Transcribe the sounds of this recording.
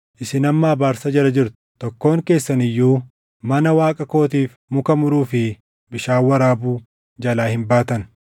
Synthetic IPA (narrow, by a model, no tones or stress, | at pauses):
ʔɪsɪnɐmːaːbaːɾsɐd͡ʒɛɾɐd͡ʒɪɾt̪ʊ̥t̪ɔkːo̞ːŋke̞ːsːɐnɪjːuː | mɐnɐwaːkʼɐko̞ːt̪iːf | mʊkɐmʊɾuːfɪ | bɪʃaːwːɐɾaːbuː | d͡ʒɐlaːhɪmbaːt̪ɐn